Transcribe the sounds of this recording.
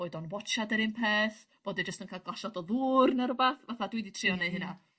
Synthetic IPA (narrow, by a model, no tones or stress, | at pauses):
oːɨdɔnwɔt͡ʃadɛɾɨnpʰeːθb̥oːdid͡ʒəstənkʰalˠɡlˠaʃadɔðuːrnaɾʊbaθvaθadwiditʰrɪɔnɨhɨna